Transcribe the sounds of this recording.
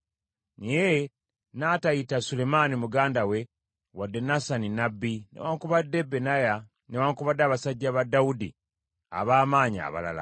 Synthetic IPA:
nije | naːtajitasule̞manimuɡaːndawe̞ | wadːe̞nasaninabːinḛwaːŋkuβadːe̞benaja | newaːŋkuβadːaβasaɟːaβadːaudi | a̰βaːmaːɲa̰ːβa̰la̰la̰

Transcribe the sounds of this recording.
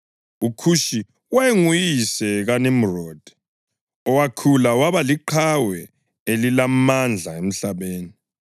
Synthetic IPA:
ukʰuʃi | wɛŋujisɛɣanem̩rɔd̥ʱ | ɔwakʰulawaβaliǃʰawɛ | elilamand͡ɮʱaem̩ɬaβeːni

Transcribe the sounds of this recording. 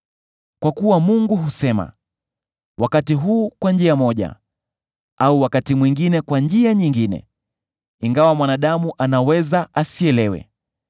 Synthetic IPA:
kwakuwamuŋɡuɦusɛma̰ | wʔakatiɦuːkwand͡ʒiamɔʄa̰ | auwakatimwiŋɡinɛkwand͡ʒiaɲiŋɡinɛ̰ | iŋɡawamwanaɗamuʔanawɛzaʔasiɛlɛwɛ̰

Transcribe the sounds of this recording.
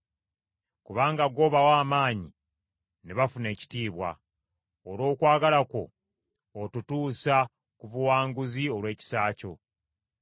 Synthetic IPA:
kuβaːŋɡaɡo̞ːβawaːmaːɲi | neβafune̞ːci̥tiːβwa̰ | oɾo̞ːkwaːɡalako̞̰ː | tutuːsa | kuvuwaːŋɡuzio̞lwe̞ːci̥saːco̞̰

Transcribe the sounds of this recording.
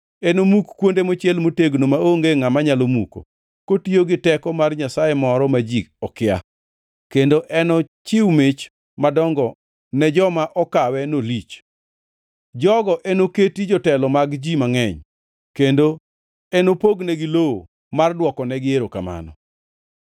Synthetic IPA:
ɛnomukːwondemot͡ʃjɛlmoteɡnomaoŋɡeŋamaɲalomuko̰ | kotioɡɪtɛkɔmarɲasajemɔɾɔmad͡ʒik̚ɔkɪa | kendoʔɛnɔt͡ʃɪwmɪt͡ʃ | madɔŋɡɔ | nɛd͡ʒɔmaʔɔkawɛnolit͡ʃ | d͡ʒɔɡɔʔenoketid͡ʒɔtɛlɔmaɡd͡ʒimaŋɛɲ | kendo | ɛnopoɡnɛɡɪloo | mardwɔkɔnɛɡɪeɾoka̰ma̰nɔ̰

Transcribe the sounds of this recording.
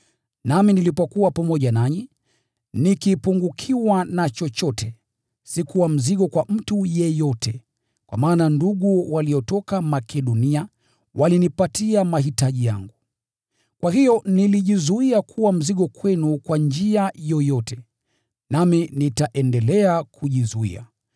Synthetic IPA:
naminilipɔkuwapamɔʄanaɲi | nikipuŋɡukʰiwanat͡ʃɔt͡ʃɔtʰɛ | sikuwam̩ziɠɔkwam̩tujɛjɔtɛ | kwa̰maːnanduɠuwaliɔtɔkamakʰɛɗɔnia | wʔalinipatiamaɦitaʄija̰ŋɡu | kwaɦijɔniliʄizuiakʰuwam̩ziɠɔkwɛnukwand͡ʒiajɔjɔtɛ | naminitaʔɛndɛlɛakʰuʄizuḭa̰

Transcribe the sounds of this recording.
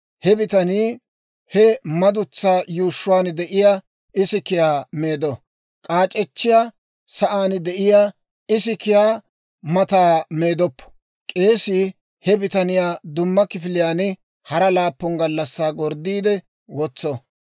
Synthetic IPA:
hɛbɪt̪ɐniː | hɛmɐd̪ʊt͡sːaːjuːʃːʊwaːnd̪ɛʔɪjaː | ɪsɪkɪjaːme̞ːd̪ɔ | kʼaːt͡ʃʼɛt͡ʃːɪjaː | sɐʔaːnɪd̪ɛʔɪjaː | ɪsɪkɪjaː | mɐt̪aːmeːd̪ɔpːɔ̥ | kʼe̞ːsɪ | hɛbɪt̪ɐnɪjaːd̪ʊmːɐkɪfɪlɪjaːnɪ | hɐɾɐlaːpːɔnɡɐlːɐsːaːɡɔɾd̪iːd̪ɛ | wɔt͡sːɔ

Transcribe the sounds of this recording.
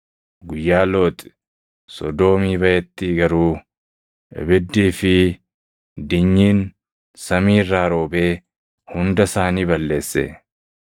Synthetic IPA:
ɡʊjːaːloːt̪ʼɪ̥ | sɔ̰d̪o̞ːmiːbɐjɛt̪ːiːɡɐɾuː | ɪ̰bɪd̪ːiːfɪ | d̪ɪɲːiːn | sɐmiːrːaːɾo̞ːbe̞ː | hʊnd̪ɐsaːniːbɐlːe̞ːsːḛː

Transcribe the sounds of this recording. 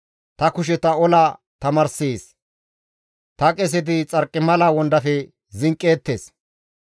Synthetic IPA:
t̪ɐkʊʃ̬ɛt̪ɐɔla | t̪ɐmɐɾseːs | t̪ɐkʼɛs̬ɛd̪̬ɪt͡sʼɐɾkʼːɪmɐlaːwɔnd̪ɐfɛ | zɪŋkʼːeːt̪ːeːs

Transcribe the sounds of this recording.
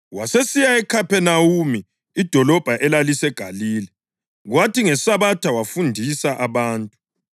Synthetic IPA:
wasesijaɛkʰapɛnawumiː | d̥ʱɔlɔb̥ʱaʔɛlalisɛɡ̥ʱaliːlɛ | ɣwatiŋɛsaβatʰawafundʱisaʔaβaːntʼu̥

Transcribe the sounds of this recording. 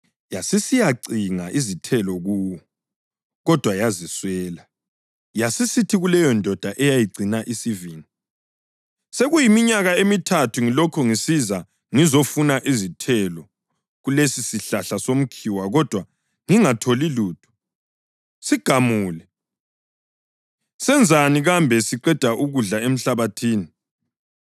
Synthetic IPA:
jasisijaǀʱiŋaʔizitʰɛlɔɣuːwɔ | ɣɔd̥ʱwajaziswɛːla | jasisitʰiɣulɛjɔndʱɔd̥ʱaʔɛjajiɡ͡ǀʱinaʔisiviŋi | seɣujimiɲaɣaemitʰatʰuŋilɔkʰɔŋisiza | ŋizɔfunaʔizitʰɛlɔ | ɣulesisiɬaɬasom̩kʰiwaɣɔd̥ʱwa | ŋiŋatʰoliluːtʰʼu̥ | siɡ̥ʱamuːlɛ | sɛnd͡zʱaniɣambʱɛsiǃɛd̥ʱaʔuɣuɮaem̩ɬaβatʰiːni

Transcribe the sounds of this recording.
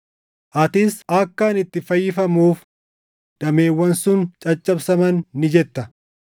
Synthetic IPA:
ʔɐt̪ɪsɐkːɐːnɪt̪ːɪfɐjːɪfɐmuːf | d̪̥ɐme̞ːwːɐnsʊnt͡ʃʼɐt͡ʃʼːɐbsɐmɐnːɪd͡ʒɛt̪ːɐ

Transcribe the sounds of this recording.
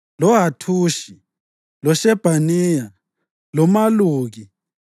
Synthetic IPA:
lɔɦatʰuːʃi | lɔʃɛb̥ʱanɛja | lɔmaluːɣi

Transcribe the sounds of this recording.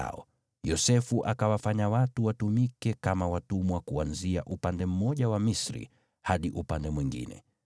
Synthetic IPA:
ɔ̰ | jɔsɛfuʔakawafaɲawatuwatumikɛkamawatumwakuanzia̰ʔupandɛm̩mɔʄawamisɾḭ | haɗiʔupandɛmwiŋɡḭnɛ̰

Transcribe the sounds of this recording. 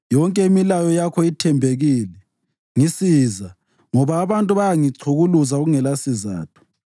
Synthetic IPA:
jɔŋkʼɛimilajɔjakʰɔitʰɛmbʱeɣiːlɛ | ŋisiza | ŋɔβaːβantʼuβajaŋiǀʰuɣuluzauɣuŋɛlasiza̰ːtʰu̥

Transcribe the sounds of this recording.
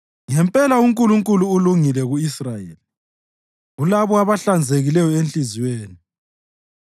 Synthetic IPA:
ŋɛmpʼɛlauŋkʼuluŋkʼuluːluŋilɛɣuisrajḛːli | ɣulaβɔaβaɬand͡zʱeɣilɛjɔent͡ɬʼiziweːni

